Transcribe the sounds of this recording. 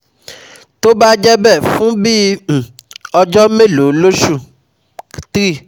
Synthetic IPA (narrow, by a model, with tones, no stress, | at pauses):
to˦ba˦d͡ʒɛ˦bɛ˦˨fũ˦bi˦˨ | ɔ˧d͡ʒɔ˦me˦˨lo˨˦lo˦ʃu˦˨ | ti˦˨